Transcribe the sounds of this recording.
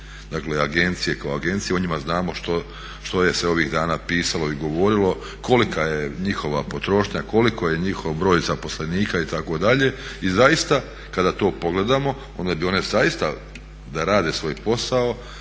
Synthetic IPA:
d̪akleaɡe̞nt̪sije̞kaoaɡe̞nt̪sijeuɲimaznaːmo̞ʃt̪o | ʃt̪o̞je̞seo̞ʋiɣd̪aːnaːpiːsaloiɡo̞ʋo̞ɾilo̞ | ko̞likajeɲixo̞ʋapot̪ɾo̞ʃɲako̞likoje̞ɲixo̞ʋbɾo̞ːjzapo̞sle̞niːkait̪ako̞d̪aʎe̞izajist̪a | kad̪at̪o̞ːpo̞ɡle̞d̪amo̞ | o̞nd̪abio̞ne̞zajist̪a | d̪aɾaːd̪esʋo̞ːjpo̞sao

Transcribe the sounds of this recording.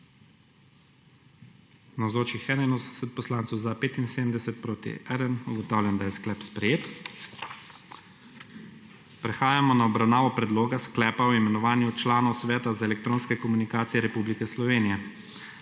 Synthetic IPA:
nawzoːt͡ʃixɛːnajnoːzd̪ɛsɛt̪̚pɔslaːnt̪sɔwzapeːt̪inseːd̪əmd̪ɛsɛt̪̚pɾoːt̪ḭɛd̪ənuɡɔt̪aːwlʲjand̪ajɛsklɛːpspɾɛjeːt̪ | pɾɛxaːjamɔnaɔbɾawnaːʋɔpɾɛd̪loːɡasklɛːpaɔimɛnɔʋaːnjut͡ʃlaːnɔwsʋɛːt̪azaɛlɛk̚t̪ɾoːnskɛkɔmunikaːt̪sijɛɾɛpublikɛslɔʋeːnijɛ

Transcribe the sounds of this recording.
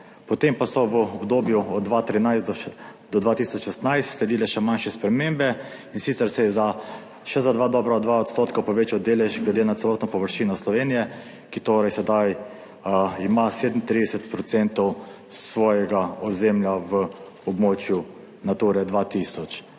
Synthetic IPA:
pɔt̪empasɔʋəɔbd̪oːbjuɔd̪d̪ːʋat̪ɾinajsd̪ɔd̪ʋat̪isɔt͡ʃʃɛst̪najst̪slɛd̪iːlɛʃɛmanʃɛspɾɛmembɛ | insit̪sɛɾsɛjɛza | ʃɛzad̪ʋaːd̪ɔːbɾaɔd̪d̪ʋaɔt̪st̪oːt̪kapɔʋeːt͡ʃawd̪eːlɛʒɡlɛd̪eːnat̪ɛlɔːt̪nɔpɔʋəɾʃiːnɔslɔʋenijɛ | kit̪oːɾɛjsɛd̪aj | imaseːd̪m̩t̪ɾid̪ɛsɛt̪pɾɔt̪ɛnt̪ɔw | sʋɔːjɛɡaɔzemljaʋə | ɔbmot͡ʃju | nat̪uːɾɛd̪ʋat̪isɔt͡ʃ

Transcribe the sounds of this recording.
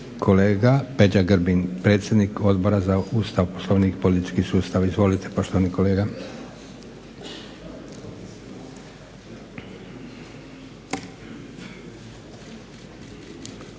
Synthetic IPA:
kʰo̞leːɡape̞d͡ʑaɡrɾbinpɾet̪sje̞d̪niko̞d̪boɾazaust̪aʋposloʋnikpolit̪i̥t͡ʃkisuːst̪aʋizʋo̞lit̪epo̞ʃt̪oʋaniko̞le̞ːɡa

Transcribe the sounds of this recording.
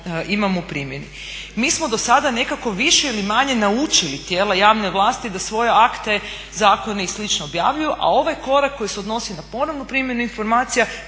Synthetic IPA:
imamoupɾiːmje̞ni | miːsmod̪o̞sad̪ane̞kako̞ʋiʃeilimaɲe̞naut͡ʃilit̪jeːlajaːʋne̞ʋlˠaːst̪id̪asʋo̞jeakt̪e̞ | zaːko̞neislit͡ʃnoobjaʋʎujuʔa̰o̞ʋajko̞ɾakːo̞jiseo̞d̪no̞sinapo̞noʋnupɾimje̞nuinfo̞ɾmaːt̪sija

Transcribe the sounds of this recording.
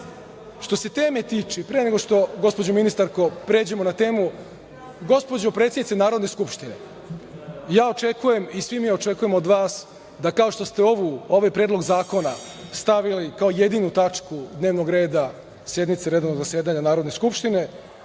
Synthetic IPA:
ʃt̪o̞set̪e̞ːmet̪iːt͡ʃɛpɾene̞ɡo̞ʂt̪o̞ɡo̞spo̞d͡ʑominist̪aɾko̞pɾeːd͡ʑe̞mo̞nat̪e̞ːmu | ɡo̞spo̞d͡ʑopɾet̪sʲenit̪naːɾod̪ne̞skupʃt̪ine̞̰ | jaːo̞t͡ʃe̞kuje̞misʋimio̞t͡ʃe̞kuje̞mo̞d̪ʋaːs | d̪akaoʃt̪o̞st̪eo̞ʋuo̞ʋajpɾeːd̪lˠo̞ɡzaːko̞na | st̪aʋilikaoje̞d̪inut̪at͡ʂkud̪ne̞ːʋno̞ɡɾe̞ːd̪a | sje̞d̪nit̪seɾe̞d̪onoɡzasjeːd̪aɲanaːɾo̞d̪neskupʃt̪ine̞

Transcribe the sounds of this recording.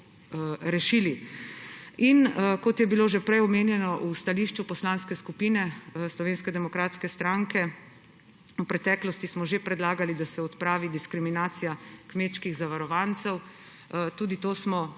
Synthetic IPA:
ɾɛʃiːli | inkɔt̪jɛbiloːʒɛpɾɛjɔmeːnjɛnɔʔust̪aliːʃt͡ʃupɔslaːnskɛskupiːnɛslɔʋeːnskɛd̪ɛmɔkɾaːt̪skɛst̪ɾaŋkɛ | upɾɛt̪ɛːklɔst̪ismɔʒepɾɛd̪laːɡalid̪asɛɔt̪pɾaːʋid̪iskɾiminaːt̪sijakmeːt̪ʃkiɣzaʋaɾɔʋant̪sɛw | t̪uːd̪it̪oːsmɔ

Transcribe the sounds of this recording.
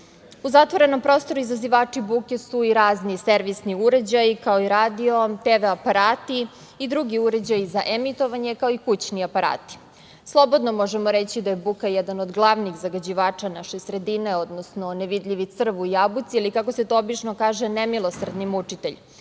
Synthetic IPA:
uzat̪ʋo̞ɾe̞no̞mpɾo̞st̪o̞ɾuizaziʋaːt͡ʂibukesuiɾaːzniseɾʋisniuɾe̞d͡ʑajikaoiɾaːd̪io̞t̪eʋeapaɾaːt̪i | id̪ɾuɡiuɾe̞d͡ʑajizaʔemit̪o̞ʋaɲe̞kao̞ikut͡ɕniapaɾa̰ːt̪i̥ | slˠo̞bod̪no̞mo̞ʒemoɾet͡ɕid̪ajebukajɛd̪anod̪ɡlˠaʋniɣzaɡad͡ʑiʋaːt͡ʂanaʃesɾe̞d̪ine̞o̞d̪nosnoneʋid̪ʎʲiʋit̪sr̩ʋuijabut̪sialikako̞set̪o̞obit͡ʂnokaːʒenemilˠo̞sr̩d̪nimut͡ʂit̪eʎ

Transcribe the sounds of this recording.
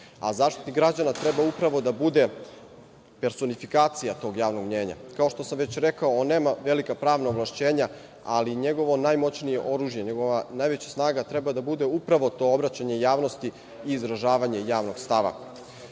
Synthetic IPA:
a̰zaːʃt̪it̪nikɡɾad͡ʑanat̪ɾe̞baupɾaʋo̞d̪abud̪e̞ | pe̞ɾso̞nifikaːt̪sijat̪o̞ɡjaːʋno̞ɡmɲe̞ːɲa̰kao̞ʃt̪o̞samʋe̞t͡ɕɾe̞kaoonːeːmaʋe̞likapɾaːʋnaoʋlaʃt͡ɕe̞ːɲa | aliɲe̞ɡo̞ʋo̞naːjmo̞t͡ɕnijeʔo̞ɾuʒjeɲeɡo̞ʋanaːjʋe̞t͡ɕḁsnaːɡat̪ɾe̞bad̪abud̪e̞upɾaʋo̞t̪o̞obɾat͡ɕaɲe̞jaːʋno̞st̪i | iːzɾaʒaːʋaɲe̞jaːʋno̞ɡ̥st̪aʋa̰

